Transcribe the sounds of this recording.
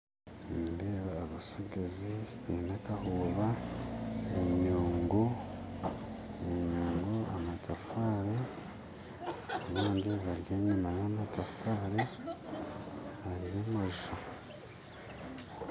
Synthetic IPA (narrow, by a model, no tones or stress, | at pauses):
ndeːβaːβasuɡeziβinakahuːβa | eɲuːŋɡo | eɲuːŋɡoa̰matʰafaːɾe | omaːɲɟoβaɾjeːɲumajamatafaːɾe | haɾijamaʒuʃa